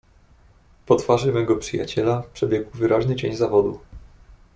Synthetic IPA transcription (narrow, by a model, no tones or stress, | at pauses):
pɔt̪faʐɘmɛɡɔpʂɘja̰t͡ɕɛlapʂɛbʲjɛɡwvɘɾaʑnɘt͡ɕeɲzavɔd̪u